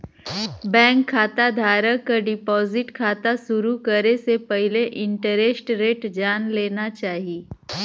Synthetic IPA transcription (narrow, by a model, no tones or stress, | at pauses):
bɛ̃ːŋkʰːaːt̪ad̪ʱaːɾəkaɖɪpɔːzɪʈkʰaːt̪asʊɾukəɾesepɐɦɪleʔɪ̃ɳʈəɾesʈɾeːʈd͡ʒaːnleːnat͡ʃaːɦiieː